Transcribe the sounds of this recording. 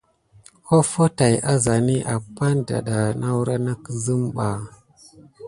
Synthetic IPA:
ko˦fo˦ta˨ja˦za˨ni˦ʔa˨pa˦nda̰˨ɗa˨na˦wu˦ɾa˦na˦kə˦zə˦mɓa˨

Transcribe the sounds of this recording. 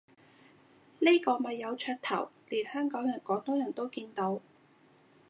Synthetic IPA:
ne˥jkɔː˧mɐ˨jːɐ˨˧wt͡ʃʰœː˧t̚t̪ʰɐ̰˨˩wliː˨˩nhœː˥ŋkɔː˨˥ŋjɐ˨˩nkɔː˨˥t̪ɔː˥jɐ˨˩nt̪o˥wkiː˧nt̪o˨˥w

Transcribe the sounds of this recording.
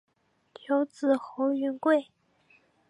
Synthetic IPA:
t̪ʰjo˧˥ʊt͡sɹ̩˨˩xo˧˥ʊy˧˥nkwe˥˩ɪ

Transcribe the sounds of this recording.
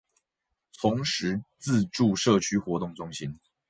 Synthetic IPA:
t͡s̪ʰʊ˨˦ŋʂɻ̩˨˦t͡sɹ̩˥˧ʈ͡ʂu˥˨ʂɤ˥˨t͡ɕʰy˥xwɔ˧˥t̪ʊ˥˩ŋt͡sʊ˧˥ŋɕi˦n

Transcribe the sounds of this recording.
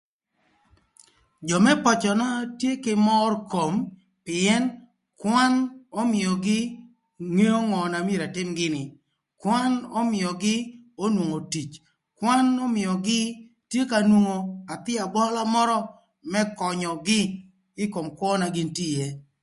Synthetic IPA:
d͡ʒɔ˨mɛ˦pɔ˨t͡ʃɔ˨na˦tje˦kɪ˨mɔ˦rko˨m | pɪ˨ɛ˦n | kwa˦nɔ˦mɪ˨jɔ˨ɡɪ˦ | ŋe˦o˦ŋɔ˨na˨mje˨ɾa˨tɪ˦mɡɪ˦nɪ˨ | kwa˦nɔ˦mɪ˨ɔ˨ɡɪ˦o˦nwo˨ŋo˨ti˨t͡ʃ | kwa˦nɔ˦mɪ˨ɔ˨ɡɪ˦ | tje˦ka˨nwo˨ŋo˨a˨t̪ɪ˦a˨bɔ˦la˦mɔ˦ɾɔ˦ | mɛ˦kɔ˨ɲɔ˨ɡɪ˦ | ɪ˦ko˨mkwɔ˦na˨ɡɪ˦nti˦je˦

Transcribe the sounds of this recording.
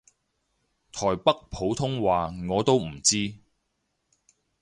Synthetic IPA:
t̪ʰɔː˨˩jpɐ˥k̚pʰo˨˧˥wt̪ʰʊ˥ŋwaː˨ŋɔː˨˧t̪o˥wm̩˨˩t͡siː˥

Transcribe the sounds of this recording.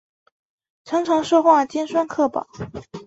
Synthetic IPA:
ʈ͡ʂʰɤ˧˥ŋʈ͡ʂʰɤ˧˥ŋʂɤ˥˧xwa˥˩t͡ɕjɛ˥nʂwa˥nkʰɤ˥˩pɑ̰˨˩˦

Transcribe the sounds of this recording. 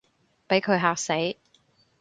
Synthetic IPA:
pe˨˥jkʰɵ˨˧ɥɦaː˧k̚se˨˥j

